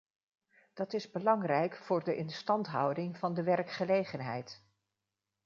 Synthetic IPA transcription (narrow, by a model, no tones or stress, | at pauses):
d̥ɑtɪzbəlɑŋrɛjkfʊːɹdəʔɪnstɑntɦʌ̰wdɪŋvɑndəʋɛɹkχəlejχənɦɛ̰jt